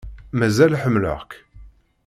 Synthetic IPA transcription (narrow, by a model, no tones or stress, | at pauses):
mæzælħəmːlə̰ʁk